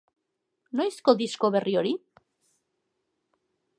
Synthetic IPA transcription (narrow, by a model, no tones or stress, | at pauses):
nojskod̪isko̞βe̞rioɾi